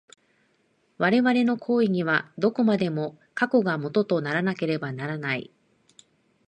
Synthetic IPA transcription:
βaɾe̞βaɾe̞no̞kʰo̞ːiɲ̟iβad̪o̞ko̞mad̪e̞mo̞ | kako̞ɡamo̞t̪o̞t̪o̞naɾanake̞ɾe̞banaɾanaḭ

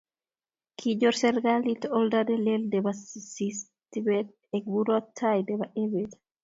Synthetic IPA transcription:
kʰid͡ʒɔɾsɛɾɡalit̪ɔldadɛlɛldɛbasis | t̪ibɛt̪̚ɛk̚buɾɔt̪ʰːajdɛbaʔebet̪

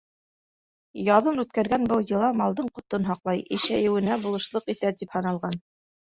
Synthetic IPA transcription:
jɑðɤnʉt̪kæɾɡænbɤlˠjɤ̆lˠɑmɑlˠd̪ɤɴqŏt̪ɤnɦɑqlˠɑjɘ̆ʃæjɘ̆wɘ̆næbulˠɤ̆ʃlˠɤqit̪æt̪iphɤ̆nɑlˠʁɑn

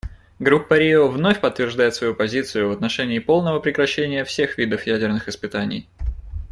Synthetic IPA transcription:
ɡɾupːɐɾʲiovno̞fʲpət̪ːvʲɪrʐd̪ajɪt̪svɐjupɐzʲit̪sɨjʊvət̪nɐʂɛnʲɪːpo̞lˠnəvəpɾʲɪkɾɐɕːenʲɪjəfsʲe̞xvʲid̪əfjædʲɪrnɨxɨspɨt̪anʲɪ̰j

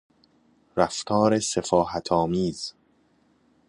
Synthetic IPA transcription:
ɾæft̪ʰɒːɾesefɒːɦæt̪ʰɒːmiːz̥

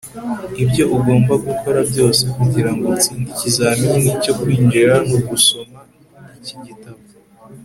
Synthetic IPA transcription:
ibjo̞ʔuɡo̞ːmbaɡukʰo̞ɾabɟo̞ːse̞kuɟiɾaŋɡot͡siːndicizaːmiɲenico̞kwiːnd͡ʒiɾanuɡuso̞ma | niciɟitaβo

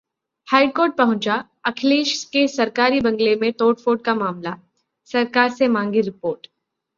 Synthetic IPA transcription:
hajɖkoːɾʈ̚pəɦũt͡ɕa | əkʰliːʃkesəɾkaɾiːbəŋɡlemẽt̪oːʈfoːɖ̚kamaːmla | sɐɾkaɾsemãŋɡiːɾipoːɾʈ

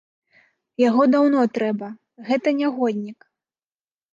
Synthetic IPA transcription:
jaɣɔd̪awnɔt̪ɾɛbɐ | ɣɛt̪ɐnʲaɣɔd̪ʲnʲik

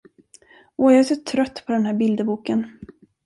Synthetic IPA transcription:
ʔɔjɑɛsʊʈʰɾœt̪ːpʰɔd̪ɛnɦæːɾbɪld̪əbuːkən

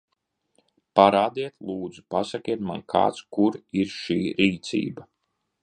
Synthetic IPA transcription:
paɾaːd̪iɛt̪lˠuːd̪zupasakʲiɛt̪ma̰nkʰa̰ːt̪skuɾiɾʃiːɾiːt̪sḭːba

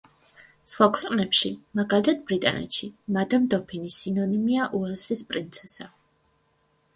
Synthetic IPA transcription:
sχwakʰwɛqʼnɛpʃimaɡalit̪ʰad̪̚bɾit̪ʼa̰nɛ̰t̪ʃimad̪amd̪ɔpʰinisinɔnimiaʔuɛlsispʼɾint̪sʰɛsa

